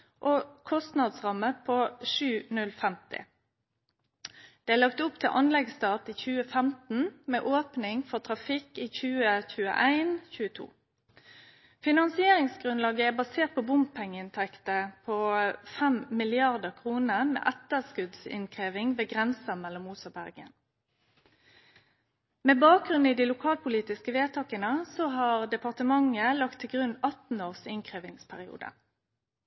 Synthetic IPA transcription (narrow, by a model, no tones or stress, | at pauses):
ʔokʰɔst̪nɑd̪sʁɑməpʰoʂʉːnʉlfɛmt̪ɪ̰ | d̪̥ɛːælɑkt̪ʊpt̪ʰɪlʔɑnlɛɡst̪ɑːt̪iːçʉːəfɛmt̪n̩mɛːʔoːpnɪŋfɔʁt̪ʰʁɑfɪkiːçʉːəçʉːə̰ʔæɪnçʉːət̪ʰṵː | fɪnɑnsɪeːɾɪŋsɡʁʉnlɑːɡəæbɑseːt̪̚pʰɔbʊmppʰɛŋːəɪnt̪ʰɛkt̪əpʰofɛmmɪlɪɑʁd̪əʁkʰʁuːnəmḛːʔæt̪əskʉd̪sɪ̰nkʰʁeːʋɪŋʋeːɡʁɛnsəmɛlːɔmːuːsəbæ̰ʁɡə̰n | meːbɑːk̚ʁʉniːd̪iːlʊkʰɑːlpʊliːt̪ɪskəʋeːt̪ʰɑːkənəsɔɦɑʁd̪ɛpɑʁt̪əmɑŋəlɑkt̪ʰːɪlɡʁʉnːɑt̪n̩oːʁsɪnkʰʁeːʋɪŋspʰæʁɪṵːd̪ə̰